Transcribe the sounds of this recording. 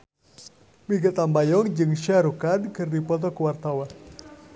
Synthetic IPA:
miɡat̪ambajɔŋd͡ʒɨŋʃaɾukankɨrdipɔt̪̬ɔkuwart̪awan

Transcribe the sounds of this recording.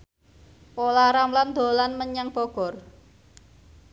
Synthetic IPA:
polaɾamland̪o̤lanməɲəŋb̥oɡ̥ɔ̤r

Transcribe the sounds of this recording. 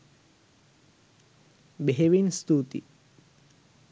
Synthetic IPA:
beɦeʋinst̪ut̪ḭ

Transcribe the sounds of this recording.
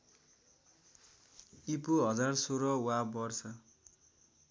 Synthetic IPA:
ipuɦʌd͡zarsoɾʌwabʌrsʌ

